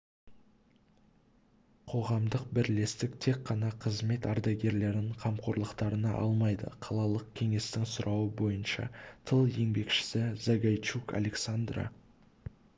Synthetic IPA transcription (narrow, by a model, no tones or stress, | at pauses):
qʰo̞ʁɑmd̪əq̚bɪɾle̞st̪ɪkt̪ʰe̞kqːɑnɑqʰəzme̞t̪ɑɾd̪ɑɡʲe̞ɾle̞ɾɪɴqʰɑmqʰo̞ɾlˠəqt̪ɑɾənɑʔɑ̰lˠmɑjd̪ə̰qʰɑlˠɑlˠəq̚kʲʰe̞ŋe̞st̪ɪŋsʊɾʔɑwəbo̞jənʃɑ̰t̪ʰəlˠje̞ŋbe̞kʃɪ̥sɪzaɡajt͡ʃuka̰le̞ksand̪ra̰